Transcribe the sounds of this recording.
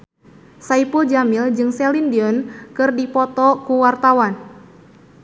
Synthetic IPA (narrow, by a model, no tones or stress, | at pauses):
saipuld͡ʒamild͡ʒɨŋsɛlindiɔnkɨrdipɔt̪ɔkuwart̪awan